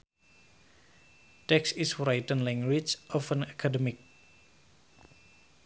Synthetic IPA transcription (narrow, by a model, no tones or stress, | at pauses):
tɛksisfɾajtənlɛ̃ŋɡwit͡ʃʔɔfə̃nakʰadəmik̚